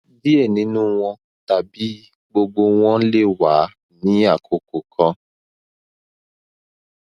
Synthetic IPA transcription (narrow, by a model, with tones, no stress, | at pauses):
li˦e˦˨nĩ˨˦nũ˦w̃ɔ̃˧ | ta˨bi˦ | ɡ͡bo˧ɡ͡bo˧w̃ɔ̃˦le˦˨wa˨˦ | nĩ˨˦a˦˨kʰo˨ko˨kʰɔ̃˧